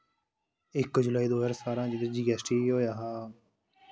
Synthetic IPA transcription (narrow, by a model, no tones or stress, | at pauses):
ɪkːd͡ʒʊlaːiːd̪oːəɾsaːɾãːd͡ʒɪd̪əd͡ʒiɡɛsʈiːɦoːjaːɦaː